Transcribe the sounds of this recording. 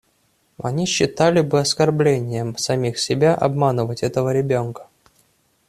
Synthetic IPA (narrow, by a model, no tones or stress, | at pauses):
ɐ̰nʲiɕːɪt̪alʲɪbɨɐskɐrblʲenʲɪjəmsɐmʲixsʲɪbʲaʔɐ̰bmanɨvətʲɛt̪əvəɾʲɪbʲonkə̥